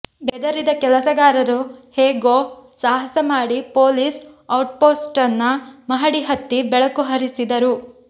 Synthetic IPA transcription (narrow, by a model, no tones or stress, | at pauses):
bɛd̪ɐɾid̪ɐkɛlɐsɐɡaːɾɐɾuheːɡoːsaːɦɐsɐmaːɽipoːlisɐwʈ̚poːsʈɐnːɐmɐɦɐɽiɦɐt̪ːibɛɭɐkuɦɐɾisid̪ɐɾu